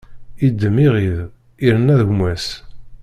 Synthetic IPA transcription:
id̪ːəmiʁið | iɾənːæðəʝmæs

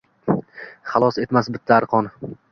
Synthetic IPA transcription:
χɑlˠɒse̞t̪masbɪt̪ʰːaːɾqʰɒn

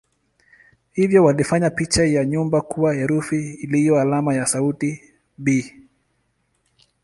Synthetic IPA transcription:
hivjɔwalifaɲapit͡ʃajaɲumbakuajɛɾufiːlijɔalamajasauti | bi

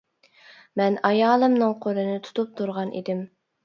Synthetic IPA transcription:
mɛnɑjɑːlˠɨmnɨŋqʰoɾɨnɪt̪ʰu̥t̪ʰup̚t̪ʰuɾʁɑnʔḭd̪ɪm

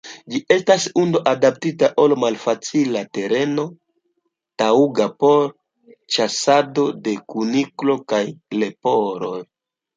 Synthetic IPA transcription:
d͡ʒie̞stasundo̞ʔadap̚titaʔo̞lmalfat͡silate̞ɾe̞no̞ | tauɡapo̞ɾ | t͡ʃasado̞de̞kuniklo̞kajle̞po̞ɾo̞j

